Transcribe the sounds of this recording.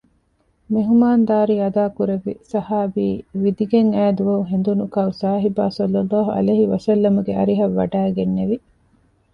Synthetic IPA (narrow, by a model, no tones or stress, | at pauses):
meɦumaːnd̪aːɾiɐd̪aːkuɾeʋːḭsɐhaːbiːʋid̪iɡeŋæːd̪uʋɐuɦend̪unukɐusaːɦibaːsɔlːɐlːaːɦuʔɐ̰leːɦiʋɐsɐlːɐmuɡeɐ̰ɾiɦɐʋːɐ̰ɖæːɡenːeʋi